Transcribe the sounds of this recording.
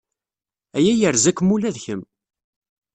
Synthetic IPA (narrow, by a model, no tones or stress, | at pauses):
æjæjəɾzækʷːmulæðçəm